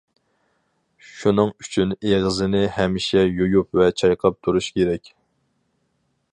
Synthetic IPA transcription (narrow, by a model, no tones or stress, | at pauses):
ʃunɨŋyt͡ʃʰyneʁəzɪnɪhɛmɪʃɛjojupvɛt͡ʃʰɑjqʰɑp̚t̪ʰuɾuʃkʲʰeɾɛkʲ